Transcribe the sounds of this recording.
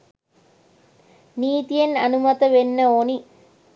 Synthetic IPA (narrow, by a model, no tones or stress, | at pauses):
niːt̪ijɐnɐnumɐt̪ɐʋenːɐoːni